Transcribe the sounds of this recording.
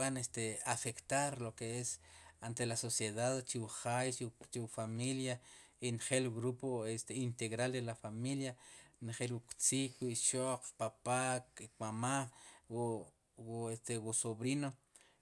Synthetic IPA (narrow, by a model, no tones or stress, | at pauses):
anest̪eafekt̪aɾlokeesant̪elasosjeðaðt͡ʃiwuχajʃt͡ʃiwfamilja | inχeluɣɾupoest̪eint̪eɣɾalɾelafamiljanχelwukt͡sikwiʃoʔqpapakkmama | west̪ewusoβɾino